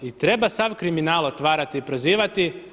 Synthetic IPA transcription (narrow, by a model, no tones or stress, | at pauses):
it̪ɾe̞basaʋkɾiminaːlot̪ʋaːɾat̪iːpɾoziːʋat̪i